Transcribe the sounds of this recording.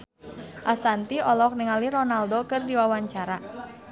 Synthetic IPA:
ʔasant̪iɔlɔk̚niŋalirɔnaldokɨrdiwawaɲt͡ʃaɾa

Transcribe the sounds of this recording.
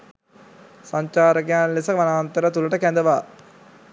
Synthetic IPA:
sɐɲt͡ʃaːɾɐɡjaːnlɪsɐkʋɐnaːnt̪ɐɾɐt̪ulɐʈːɐkeːnd̪ɐʋaː

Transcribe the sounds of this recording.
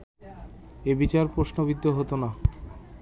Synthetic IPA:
ebit͡ɕaɾpɾoʃnobid̪ːoɦot̪ona

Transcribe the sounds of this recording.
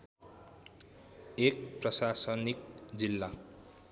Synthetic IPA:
ek̚prʌsasʌnik̚d͡zilːa

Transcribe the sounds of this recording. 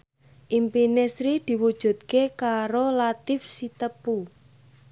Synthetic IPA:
ʔimpinesɾid̪̥i̤wud̥ʒ̥ṳt̪̚kekaɾolat̪ɪfsit̪əpu

